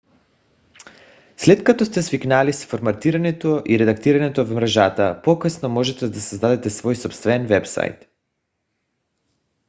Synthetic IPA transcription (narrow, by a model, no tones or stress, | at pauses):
slɛt̪kat̪ɔst̪ɛsviknalisfoɾmat̪iɾaɲɛt̪oʔiɾɛd̪akt̪iɾaɲɛt̪ovmɾɛʒat̪apɔkəsnɔmɔʒɛt̪ɛd̪asazd̪ad̪ɛt̪ɛsvɔjsɔpst̪vɛnvɛpsa̰jt̪